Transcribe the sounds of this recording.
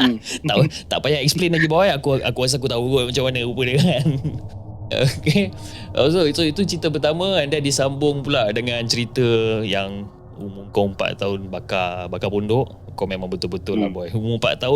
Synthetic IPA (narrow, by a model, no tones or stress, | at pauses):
t̪aʔt̪a̰ʔpajaʔɛk̚splenlaɡibajakuʔa̰kuas̬ak̬ut̪auɡoʔmat͡ʃamanəupədəŋan | o̰ke | ʔo̰soisoit̪ut͡ʃɾit̪əpərt̪amə̃andadisambʊŋpulaʔdəŋant͡ʃəɾit̪əjaŋ | umʊŋkoumpa̰ʔt̪aʊnbakabakapundʊʔ | komemãŋbət̪ʊlbət̪ʊlːa̰hbɔjumumpa̰ʔt̪aʊ